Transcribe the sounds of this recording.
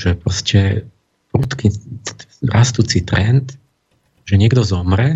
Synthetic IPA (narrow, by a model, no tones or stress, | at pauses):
ʒɛpɾɔscɛ | pɾuːt̪ki | ɾast̪uːt͡sit̪ɾɛnt̪ | ʒɛɲɪɛɡd̪ɔzɔmɾɛ